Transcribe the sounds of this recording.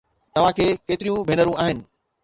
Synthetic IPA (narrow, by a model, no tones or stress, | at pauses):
t̪ɐʋ̤ãkʰeːkeːt̪ɪɾijũbʱeːnəɾũaːɦɪnɪ̆